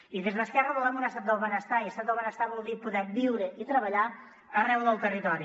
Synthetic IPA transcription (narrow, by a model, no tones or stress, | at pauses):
iðezðəskɛrəβəlamunəst̪at̪əlˠβənəst̪aiəst̪at̪əlˠβənəst̪aβɔlˠd̪ipuðɛbiwɾəʔit̪ɾəβəʎa | ərɛwðəlˠt̪ərit̪ɔɾi